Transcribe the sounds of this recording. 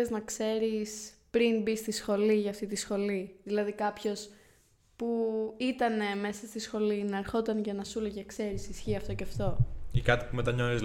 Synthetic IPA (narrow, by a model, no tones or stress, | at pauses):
eznɐkse̞ɾispɾinbist̪isxo̞liʝɐːft̪it̪isxo̞liðilɐðikɐpço̞s | puit̪ɐne̞me̞sɐst̪isxo̞linɐɾxo̞t̪ɐnʝɐnɐsulocɐkse̞ɾisisçiɐft̪o̞ceɐft̪o̞ikɐt̪i̥pumet̪ɐɲo̞θiz